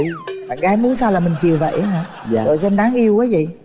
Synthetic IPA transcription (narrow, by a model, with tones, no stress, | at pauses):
aː˨˩ɣaː˨˦jmu˨˦ənsaː˧laː˨˩mï˨˩ŋ̟t͡ɕi˨˩əwvə̰˧˨jʔaː˨˦ɦaː˧˩˧ | zo̰˧˨jse˧nɗaː˨˦ŋʔi˧əwkaː˨˦jzḭ˧˨